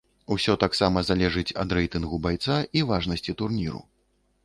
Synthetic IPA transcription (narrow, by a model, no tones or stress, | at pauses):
usʲɔt̪aksamɐzalʲɛʐɨt͡sʲɐ̰d̪ɾɛjt̪ɨnɣubajt̪saivaʐnɐsʲt͡sʲit̪urnʲiɾṵ